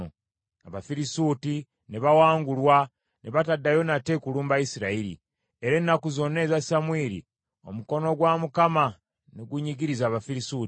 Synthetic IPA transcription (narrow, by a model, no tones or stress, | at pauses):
o | aβafiɾisuːti | neβawaːŋɡulwa | neβatadːajo̞nate̞kuluːmbaisiɾaiɾḭ | eɾenːakuzo̞ne̞zasamwiːɾḭ | o̞̰muko̞no̞ɡwamukama | neɡuɲiɡiɾizaːβafiɾisuːti